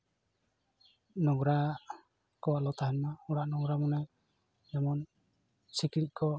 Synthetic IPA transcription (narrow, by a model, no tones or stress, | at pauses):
nɔɡɾa | kɔwaʔlɔt̪aɦɛnmaɔɽaʔnɔɡɾamɔnaj | jamɔn | sikɾic̚kʰɔ